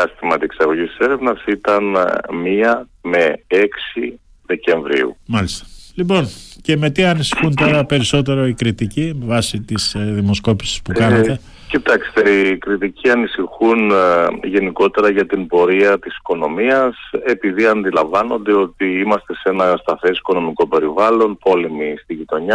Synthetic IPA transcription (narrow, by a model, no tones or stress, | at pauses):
ɐst̪imɐt̪ieksɐɣo̞ʝist̪ise̞ɾevnɐsit̪ɐnmiɐme̞eksi | ðe̞ce̞ɱvɾḭṵmɐlist̪ɐ̥lipo̞nce̞me̞t̪iɐnisixunt̪o̞ɾɐpe̞ɾiso̞t̪̬e̞ɾo̞ikɾit̪icivɐsit̪isðimo̞sko̞pi̥si̥spukɐnɐt̪e̞ | cit̪ɐksi̥t̪e̞ikɾit̪icʰiɐnisixunʝe̞niko̞t̪e̞ɾɐʝɐt̪imbo̞ɾiɐt̪isi̥ko̞no̞miɐse̞piðiɐnd̪ilɐɱvɐno̞nd̪e̞o̞t̪iimɐst̪e̞se̞nɐst̪ɐθe̞si̥ko̞no̞miko̞pe̞ɾivɐlo̞npo̞le̞mist̪iʝit̪o̞ɲɐ